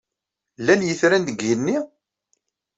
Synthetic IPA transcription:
lːænjəθɾænd̪əɡjənːi

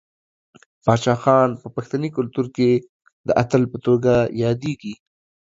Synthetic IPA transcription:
pɑt͡ʃɑxɑnpəpaxt̪anikʊlt̪uɾke | d̪əʔat̪əlpət̪oɡajɑd̪eɡi

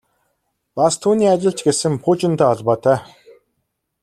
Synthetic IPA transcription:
past̪ʰuːniːat͡ɕɪ̆ɬt͡ɕɡesɘ̆mpʰuːt͡ɕɪ̆nt̪aːɔɮpɔːt̪ʰæː

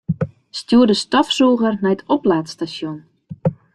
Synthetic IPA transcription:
stjuədəstɔfsoːɣərnɛjətʰoplaːtstasjon

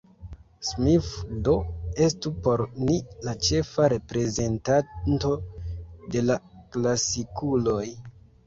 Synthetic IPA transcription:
smifdo̞e̞stupo̞ɾnilat͡ʃe̞faɾe̞pɾe̞ze̞ntanto̞de̞laklasikulo̞j

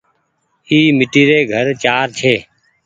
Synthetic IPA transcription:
iːmɪʈiːɾeːɡʱəɾt͡ʃaːɾt͡ʃʰeː

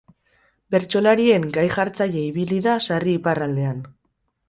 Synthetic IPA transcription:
be̞ɾt͡ʃo̞laɾie̞ŋɡajʝaɾt͡saje̞iβiliðasariːparald̪e̞an

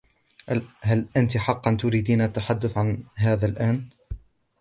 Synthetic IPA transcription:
halʔant̪iħɑqːɑnt̪ʊɾiːd̪iːnat̪ːaħad̪ːʊθʕanɦaːðaːlʔaːn

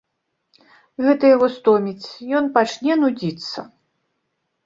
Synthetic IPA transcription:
ɣɛt̪ɨjaɣɔst̪ɔmʲit͡sʲjɔnpat͡ʂnʲɛnud͡zʲit̪sːɐ

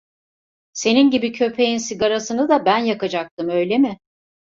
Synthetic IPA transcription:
se̞ninɟibicʰø̞pʰe̞jinsiɡaɾasɯnɯd̪abænjakad͡ʒak̚t̪ʰɯmø̞jlʲemɪ

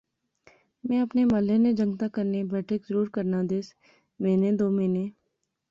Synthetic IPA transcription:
mɛ̃ːɐpnemɐlened͡ʒɐ̃ŋɡt̪akɐɾnebɛːʈʰəkzəɾuːɾkɐɾnad̪eːs | mẽːned̪oːmẽːneː

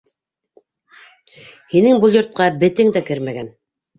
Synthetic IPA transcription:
hinɘŋbɤlˠjŏɾt̪̚qɑbɘ̆t̪ɘŋd̪ækɘɾmæɡæn

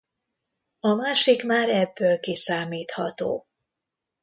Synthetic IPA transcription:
ɒmaːʃikmaːɾɛbːøːlkisaːmiːt̪hɒt̪o̰ː

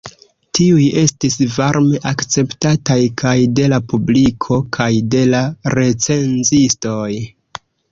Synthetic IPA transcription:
tiuje̞stisvaɾme̞ʔakt͡se̞ptatajkʰajde̞lapublikʰo̞kʰajde̞laɾe̞t͡se̞nzisto̞j

